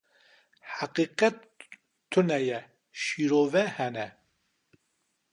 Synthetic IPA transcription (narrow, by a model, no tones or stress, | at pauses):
haqiːqɛt̪ʰː | ʊnɛjɛ | ʃiːɾoːvɛhɛnɛ